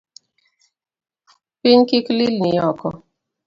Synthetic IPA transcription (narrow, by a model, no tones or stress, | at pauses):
piɲkiklilnijɔkɔ